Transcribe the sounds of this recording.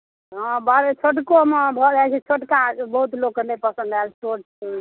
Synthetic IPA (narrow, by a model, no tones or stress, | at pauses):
ɦãbaɾet͡ʃʰoʈkomebʱɔd͡ʒaɛt͡ʃʰɛt͡ʃʰoʈkabəɦut̪loknepəsə̃nd̪alsoʈ̚ | ɛ